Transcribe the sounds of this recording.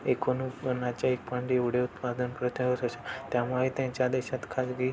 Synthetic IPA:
ekonũnat͡ʃaik̚paɳɖiuɽeut̪pad̪ənpɾət̪ʰəjot̪əʃet̪jãmaʋit̪ẽt͡ʃad̪eʃat̪kʰad͡ʒɡi

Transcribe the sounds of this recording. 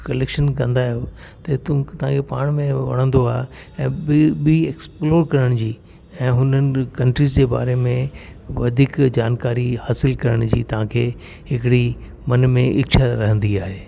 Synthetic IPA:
kɐleːkʃənkɐ̃nd̪aːɦijo | t̪ɐt̪ũt̪ɐʋ̤ãkʰepaːɽ̃mẽʋɐ̰ɽ̤̃ə̃nd̪oaːɦe | ɛ̃ːɓiieksploːɾkɐɾəɽ̃d͡ʑiː | ɛ̃ːɦʊnənɪ̆kɐ̃ɳʈɾiːzd͡ʑeːba̰ːɾemẽʋɐd̪ʱikd͡ʑaːnkaːɾihaːsɪlkɐɾəɽ̃d͡ʑḭːt̪ɐʋ̤ãkʰeː | ɦɪkɪɽi | mɐnmẽʔɪkt͡ɕʰaɾɐɦə̃nd̪iaːɦeː

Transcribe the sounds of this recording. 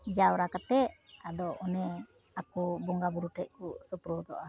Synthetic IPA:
d͡ʒawɾakat̪ɛʔad̪ɔʔɔnɛ | akɔbɔŋɡabuɾuʈɛʔ̚kɔsupɾɔd̪ɔʔa

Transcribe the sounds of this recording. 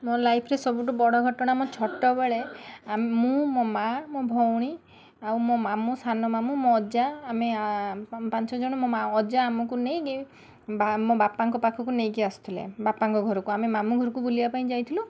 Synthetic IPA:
molajpʰɔɾesɔbuʈubɔɽɔɡʱɔʈɔɽ̃amɔt͡ʃʰɔʈːɔbeɭeamemũmɔmamõbʱɔwɽ̃i | awmomamusʰanɔmamũmɔ̃ːd͡ʒaːme | pant͡ʃɔd͡ʒɔɽ̃ɔmɔaːd͡ʒaːmɔkunejɡe | bamõbapaŋkɔpakʰɔkunejɡeast̪ʰilḛbapaŋkɔɡʱɔɾɔkuamemamuɡʱɔɾɔkubulibapaĩd͡ʒajt̪ʰilu

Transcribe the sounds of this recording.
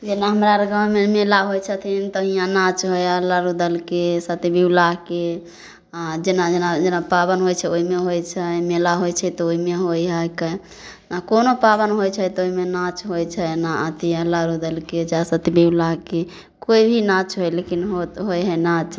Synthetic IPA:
d͡ʒenaɦəmɾaɾəɡəw̃memelaɦojt͡ʃʰət̪ʰint̪əɦijãnat͡ʃɦojəlːaɾud̪əlkesət̪ibiwlaɦke | ad͡ʒenad͡ʒenad͡ʒenapabənɦojt͡ʃʰɛoɦimeɦojt͡ʃʰɛmelaɦojt͡ʃʰɛt̪ɔoɦimeɦojɦəkə | nakonopabənɦojt͡ʃʰɛt̪ɔoɦimenat͡ʃɦojt͡ʃʰɛnaat̪iəlːaɾud̪əlked͡ʒasət̪ibilaɦke | koibʱinãt͡ʃɦojlekinɦot̪ɦojɦɛnat͡ʃ

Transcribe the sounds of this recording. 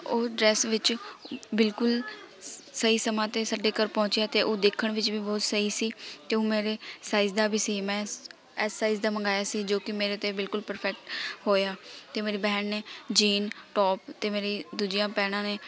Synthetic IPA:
oːɖɾɛːsʋɪt͡ʃbɪlkʊl | səiːsəmãːt̪eːsəɖeːkəɾpɔ̃ːt͡ʃeaːt̪eːʔoːd̪eːkʰːəɳʋɪt͡ʃbiːbɔːt̪səiːsiːt̪eːõːmeːɾeːsaːiːzd̪aːbʱiːsiːmɛ̃ː | ɛːsːaːiːzd̪aːməŋɡaːjaːsiːd͡ʒoːkɪmeːɾeːt̪eːbɪlkʊlpəɾpʰɛk̚ʈhoːjaːt̪eːmeːɾiːbɛɦɳneːd͡ʒiːnʈɔːpt̪eːmeːɾiːd̪uːd͡ʒɪjãːpɛːɽ̃ãːneː

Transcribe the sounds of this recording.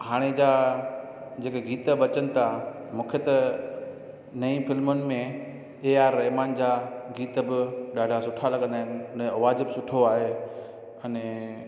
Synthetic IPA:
ɦaːɽ̃ed͡ʑaː | d͡ʑeːkeɡiːt̪əbɐt͡ɕənɪ̆t̪ʰa | mũːkʰet̪ɐ | nɐĩfɪlmənɪ̆mẽ | eːaːɾːɐɦmaːnd͡ʑaːɡiːt̪əbɪɗaːɖʱasʊʈʰalɐɠə̃nd̪aːɦɪnɪɐneɐʋaːd͡ʑbɪsʊʈʰoaːɦe | ɐnɛ

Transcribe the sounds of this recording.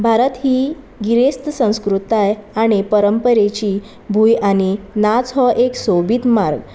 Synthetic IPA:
bʱaɾət̪ɦiː | ɡiɾest̪sə̃w̃skɾut̪ajaɽ̃ipəɾəmpəɾet͡ɕiː | bʱujaɽ̃inat͡sɦɔʔeksobit̪maɾɡ

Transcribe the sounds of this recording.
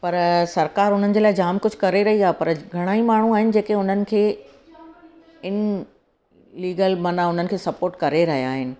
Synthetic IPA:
pɐɾsɐɾkaːɾɦʊn̤ənɪ̆d͡ʑeːlaːɪd͡ʑaːmkʊd͡ʑʱʊkɐɾeɾɐɦiaːɦepɐɾɡʱɐɽ̃aːimaːɳ̤ũaːɦɪnɪ̆d͡ʑeːkeʊn̤ənɪ̆kʰeː | ɪn | liːɡəlmɐnaʊn̤ənɪ̆kʰeːsɐpoːɾʈkɐɾeɾɐɦijaːɦɪnɪ̆

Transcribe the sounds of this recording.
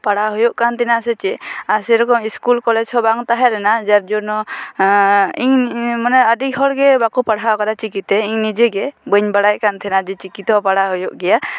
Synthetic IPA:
paɽaɦɔjɔʔkant̪ʰɛnasɛt͡ʃɛasiɾɔkɔmiskulkɔlɛd͡ʒsʰɔbaŋt̪aɦɛlɛnad͡ʒaɾ̚d͡ʒɔnɔ | iŋmɔnɛədik̚ɦɔɽɡɛbakupaɽɦawkaɾat͡ʃikit̪ɛiŋnid͡ʒeɡɛbəɲbaɽajkant̪ʰɛnad͡ʒit͡ʃikit̪ɔpaɽaɦɔjɔʔɡɛja

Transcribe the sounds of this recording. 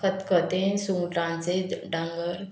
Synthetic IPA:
kət̪kət̪ẽsũŋɡʈãnseɖaŋɡəɾ

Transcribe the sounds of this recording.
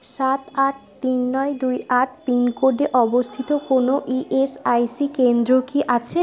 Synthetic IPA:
ʃat̪aʈ̚ʰt̪inːɔjd̪ujaʈ̚ʰpinkoɾɖeʔɔbost̪ʰit̪okonoʔiʔesajsikend̪ɾokiʔat͡ɕʰe

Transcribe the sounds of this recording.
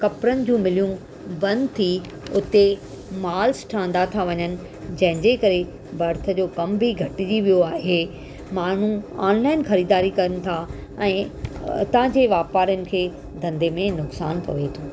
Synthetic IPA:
kɐpɾənɪ̆d͡ʑũːmɪlijũ | bɐ̃nd̪t̪ʰi | ʊt̪e | maːlsʈʰãːnd̪at̪ʰaʋɐɲənɪ̆ | d͡ʑɐ̃ɦɪ̃ɲd͡ʑekɐɾe | bɐɾt̪ʰə̆d͡ʑoːkɐmbʱiɡʱɐʈɪd͡ʑiʋijoaːɦe | maːn̤ũa̰ːnlaːɪnxɐɾiːd̪aːɾikɐɾənɪ̆t̪ʰa | ɛ̃ːt̪ɐʋ̤ə̃ãɲd͡ʑeːʋaːpaːɾjənɪ̆kʰeː | d̪ʱɐ̃nd̪emẽnʊksaːnpɐ̰ʋet̪ʰoː

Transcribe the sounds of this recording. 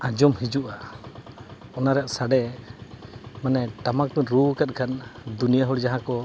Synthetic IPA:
ãd͡ʒɔmhid͡ʒuʔa | ɔnaɾɛjaʔsaɖɛ | manɛʈamak̚t̪unɾukat̪̚kʰand̪unijaɦɔɽd͡ʒaɦãkɔ

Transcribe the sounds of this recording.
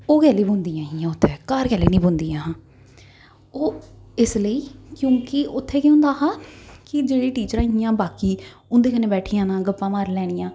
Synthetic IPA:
oːkɛːliːbʊnd̪iːjãːɦiːãːʊt̪ʰːeːkaːɾkɛːliːnĩːbond̪iːãːɦãː | oːɪsləiːkjõːkɪʊt̪ʰːeːkeʊ̃nd̪aːɦaːkɪd͡ʒeːɽiːʈiːt͡ʃəɾãːɦɪjãːbaːkiːʊnd̪eːkəneːbɛːʈʰijãːnãːɡəpːãːmaːɾlɛːɽ̃ɪjãː

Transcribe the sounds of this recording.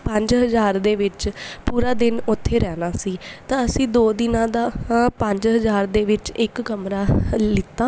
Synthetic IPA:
pəɲd͡ʒɦəzaːɾd̪eːʋɪt͡ʃpuːɾaːd̪ɪnʊt̪ʰːeːɾɛːnaːsiːt̪ãːəsĩːd̪oːd̪ɪnãːd̪aːpəɲd͡ʒɦəzaːɾd̪eːʋɪt͡ʃɪkːəmɾaːlɪt̪ːãː

